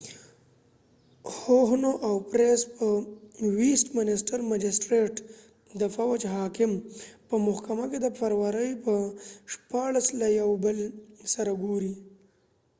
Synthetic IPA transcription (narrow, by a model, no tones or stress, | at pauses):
hoɦnoʔawpɾespəwisʈmɪnɪsʈaɾmad͡ʒɪsʈɾeʈ | d̪əfawad͡ʒɦɑːkɪmpəmʊhkamaked̪əfaɾwaɾəjpəʂpɑɭaslajawbəlsaɾaɡoɾi